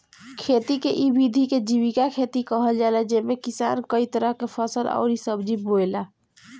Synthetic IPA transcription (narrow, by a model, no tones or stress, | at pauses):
kʰeːt̪ikeʔibid̪ʱiked͡ʒiwikakʰeːt̪ikəɦəld͡ʒalad͡ʒeːmekɪsa̰ːnkəit̪əɾəɦkepʰəsəlɔ̰ːɾisəbd͡ʒiboːlaː